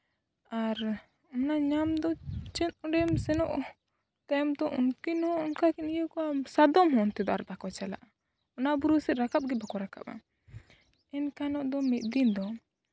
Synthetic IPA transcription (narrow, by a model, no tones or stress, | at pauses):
aɾ | ɔnaɲamd̪ɔt͡ʃɛt̪̚ɔɖɛmsɛnɔʔɔ | t̪ɛmd̪ɔʔunkinɔɔnkakinijəkɔasad̪ɔmɦɔnt̪ɛd̪ɔaɾbakɔt͡ʃala̰ʔa | ɔnabuɾusɛt̪̚ɾakap̚ɡɛbakɔɾaka̰pa̰ | ɛnkanɔʔd̪ɔmit̪̚ˀd̪ind̪ɔ